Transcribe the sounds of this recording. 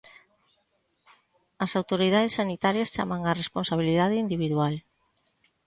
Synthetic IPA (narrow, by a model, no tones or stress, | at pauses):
ɐsawt̪oɾiðaðesːanit̪aɾjast͡ʃa̰maŋaresponsaβ̞iliðað̞ɪind̪iβiðwal